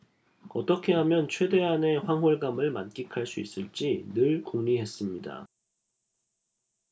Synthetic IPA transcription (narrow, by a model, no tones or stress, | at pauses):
ʌt͈ʌkʰe̞ɦamjʌnt͡ɕʰwe̞de̞ɦane̞ɸwaŋɦoɭɡamɯɭmank͈ikʰaɭs͈uḭs͈ɯɭt͡ɕ͈inɯɭkuŋɲiɦe̞s͈ɯmɲida̰